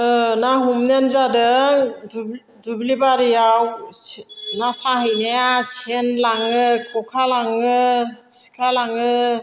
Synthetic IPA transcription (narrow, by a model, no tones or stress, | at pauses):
ɯnaɦumnenzadɯ | dublibaɾijaw | nasaɦɯjneasenlaŋɯkɔkʰalaŋɯsi̥kʰalaŋɯ